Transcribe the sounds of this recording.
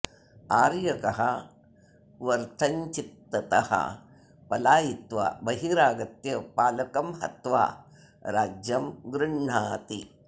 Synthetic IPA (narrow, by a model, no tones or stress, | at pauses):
aːɾjɐkɐɦɐ | ʋɐɾt̪ʰɐɲt͡ʃit̪ːɐt̪ɐ̰hɐ̰ | pɐlaːjit̪ʋa̰bɐɦiɾaːɡɐt̪jɐpaːlɐkɐmhɐ̰t̪ʋa̰ː | ɾaːd͡ʒjɐmɡɾuɳɳaːt̪i